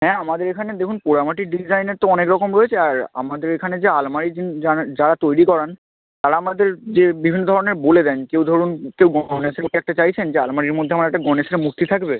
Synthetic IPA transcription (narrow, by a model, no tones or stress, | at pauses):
ɦɛ̃amad̪eɾekʰaned̪ekʰunpoɾamaʈik̚ɖid͡ʑajneɾt̪oɔnekɾɔkomɾoet͡ɕʰeaɾa̰mad̪eɾekʰaned͡ʑealmaɾid͡ʑinad͡ʑaɾat̪ojɾikɔɾen | t̪aɾaamad̪eɾd͡ʑebibʱinːod̪ʱɔɾoneɾboled̪ɛnkewd̪ʱɔɾunkewɡɔneseoʈeɛk̚ʈat͡ɕajt͡ɕʰend͡ʑea̰lmaɾiɾmod̪ʱːeamaɾɛk̚ʈaɡɔneseɾemuk̚t̪it̪ʰakbe